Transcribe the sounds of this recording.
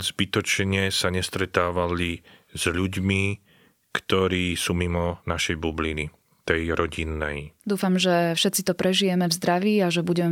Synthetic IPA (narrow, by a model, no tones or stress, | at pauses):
zbit̪ɔt͡ʃɲɛsaɲɛst̪ɾɛt̪aːʋaliz̥ʎuɟmi | kt̪ɔɾiːsuːmimɔnaʃɛjbublini | t̪ɛjɾɔɟinːɛ̰jd̪uːfamʒɛfʃɛt̪t͡sit̪ɔpɾɛʒijɛmɛvzd̪ɾaʋiːaʒɛbuɟɛmɛ